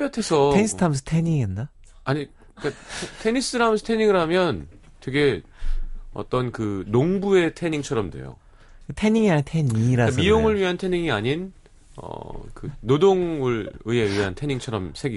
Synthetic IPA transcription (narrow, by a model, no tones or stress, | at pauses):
jʌtʰesʰʌeɲis͈ʰtʰamʌs̬ʰʌ̥tʰeɲiŋiʌnːa | aɲi | k͈atʰe̞ɲis͈ɯɾamesʰʌ̥tʰeɲiŋɯɾɦamjʌn | twe̞ɡe̞ | ʌ̰t͈ʌnkɯnoŋbue̞tʰeɲiŋt͡ɕʰʌɾʌmdwe̞̰jo̰ | kɯtʰe̞ɲiŋiaɲɯntʰeɲiɾaamijoŋɯɭɥiɦantʰe̞ɲiŋiaɲin | ʌ̰kɯnodoŋɯɭɯe̞ɥiɦantʰe̞ɲiŋt͡ɕʰʌɾʌmsʰeɡi